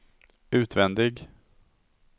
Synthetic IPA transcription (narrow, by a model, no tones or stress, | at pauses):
ʉ̟ːt̪vɛnd̪ɪɡ